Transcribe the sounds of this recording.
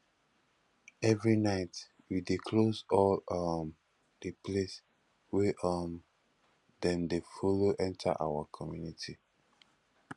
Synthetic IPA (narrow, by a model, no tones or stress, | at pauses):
ɛvɹinaɪt | widikʰlosɔlʌm | depʰles | weʔʌm | dɛ̃ndefoloʔɛ̃ntʰa̰ʔa̰wakʰɔmjunitʰi